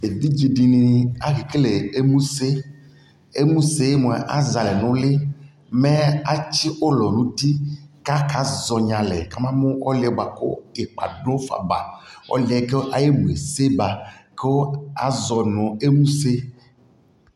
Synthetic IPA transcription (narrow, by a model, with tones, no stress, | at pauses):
e˨vi˦d͡ʒi˨ɖi˨nĩ˨a˦ɣi˨ke˦le˨e˦mũ˦se˦ | e˦mũ˦se˦je˦mõ˨ʔa˦za˨lɛ˨nʊ̃˦le˦ | me˦a˦t͡ʃi˦ʔo˦lɔ˨nũ˦t̪i˦ka˦ka˨zɔ˨ɲã˨lɛ̰˨ka˨mã˦mõ˦ɔ̰˦lɪ˨ɛ˨ba˨ko̰˦e˨k͡pa̰˨ɖõ˦fa̰˨ba̰˨ɔ̰˦li˨ɛ˨˦ke˦ʔa˨je˦mũ˨e˨se˦ba˨ke˦o˦a̰˨zɔ˨nɔ̃˨e˦mũ˦se˦